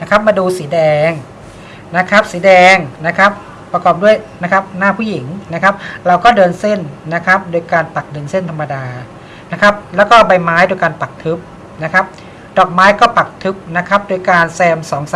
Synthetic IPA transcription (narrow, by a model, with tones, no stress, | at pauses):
na˦˥kʰa˦˥p̚maː˧duː˧siː˩˦dɛː˧ŋ | na˦˥kʰa˦˥p̚siː˩˦dɛː˧ŋna˦˥kʰa˦˥p̚ː | ɾa˧kɔː˨˩p̚du˥˩əjna˦˥kʰa˦˥p̚naː˥˩pʰuː˥˩ji˩˦ŋna˦˥kʰa˦˥p̚ɾa˧wkɔː˥˩dɤː˧nse˥˩nːa˦˥kʰa˦˥p̚doː˧jkaː˧npa˨˩k̚dɤː˧nse˥˩nt̪ʰa˧mːa˧daː˧ | na˦˥kʰa˦˥p̚lɛː˦˥wkɔː˥˩ba˧jmaː˦˥jdoː˧jkaː˧npa˨˩k̚t̪ʰɯ˦˥p̚ | na˦˥kʰa˦˥p̚ | dɔː˨˩k̚maː˦˥jkɔː˥˩pa˨˩k̚t̪ʰɯ˦˥p̚na˦˥kʰa˦˥p̚doː˧jkaː˧nsɛː˧msɔː˩˦ŋsa˨˦